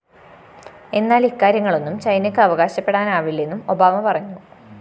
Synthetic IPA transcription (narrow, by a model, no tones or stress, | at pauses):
e̞nːaːlikːaːɾjɐŋːɐɭo̞nːumt͡ɕɐjnɐkʲːɨɐʋɐɣaːɕɐpːe̞ɽaːnaːʋilːe̞nːumo̞baːmɐpɐrɐɲːu